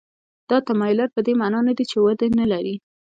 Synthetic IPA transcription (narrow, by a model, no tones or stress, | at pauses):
d̪̥ɑt̪amɑjʊlaɾ̚pəd̪emɑnɑnad̪it͡ʃewad̪analaɾi